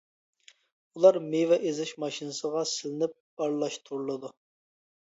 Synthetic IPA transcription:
ulˠɑɾmevɛʔezɪʃmɑʃinɨsəʁɑsɪlɪnɪp̚b̥ɑɾlˠɑʃt̪ʰuɾlˠɨd̪u

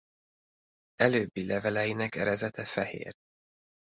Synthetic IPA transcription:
ɛløːbːilɛvɛlɛjinɛkɛɾɛzɛt̪ɛfɛhḛːr

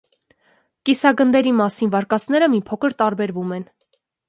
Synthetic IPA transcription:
kisɑɡənd̪ɛɾimɑsinvɑɾkɑt͡sʰn̪ɛɾəmipʰɔkʰəɾt̪ɑɾbɛɾvumɛn

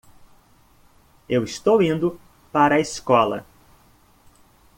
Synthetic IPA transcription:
ewɪst̪owĩnd̪ʊ | paɾɐiskɔlɐ̰

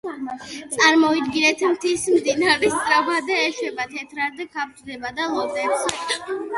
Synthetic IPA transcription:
t̪sʼaɾmɔid̪ɡinɛt̪ʰmt̪ʰismd̪inaɾɛst̪ʼɾabad̪ɛɛʃɛbat̪ʰɛt̪ʰɾaɾd̪ɛkʰap̚t͡ʃ̪d̪ɛbad̪alˠɔd̪ɛps

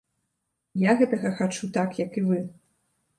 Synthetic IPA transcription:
jaɣɛt̪ɐɣɐxat͡ʂut̪akjɐkɨvɨ

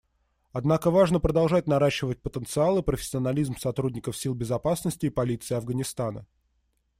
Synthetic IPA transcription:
ɐd̪nakəvaʐnəpɾəd̪ɐlˠʐat̚ʲnɐɾaɕːɪvət̚ʲpət̪ənt̪sɨalˠɨpɾəfʲɪ̥sʲːɪɐnɐlʲizmsɐt̪ɾudʲnʲɪkəfsʲilˠbʲɪzɐpasnəsʲtʲɪːpɐlʲit̪sɨɪɐvɡənʲɪst̪anə̰

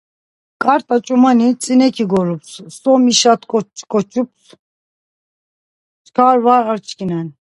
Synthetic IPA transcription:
kʼaɾt̪ʼat͡ʃʼumanit͡sʼinɛkʰiɡɔɾupssɔmiʃat̪kʼɔt͡ʃkʼɔt͡ʃʰʼups | t͡ʃkʰaɾvaɾaɾt͡ʃʰkʰinɛn

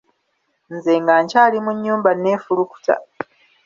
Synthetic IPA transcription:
nzeŋɡaːɲcaːlimuɲːuːmbane̞ːfuluku̥ta̰

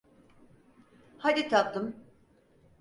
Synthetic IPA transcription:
had̪it̪ʰap̚d̪ɯm

